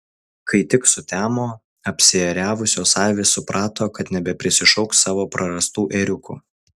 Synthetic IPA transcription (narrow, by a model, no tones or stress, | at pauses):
kʰɐɪt̪ʲɪksʊt̪ʲæːmoː | ɐpʲsʲɪɛɾʲæːʋʊsʲoːsɑːˑlʲʋʲesʊpɾʔɑːt̪oːkɐt̪nʲɛbʲɛpʲɾʲɪsʲɪʃɒʊkssɑːʋoːpɾɐɾɐst̪uːʔeːɾʲʊkṵː